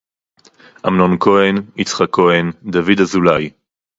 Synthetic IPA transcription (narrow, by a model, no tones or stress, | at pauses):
ʔamnonkʰo̞enit͡sχakːoend̪avid̪azulaj